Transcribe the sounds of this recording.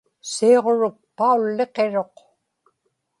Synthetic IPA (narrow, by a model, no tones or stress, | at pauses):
seːʁoɻʊk̚paulːe̞qe̞ɻo̞q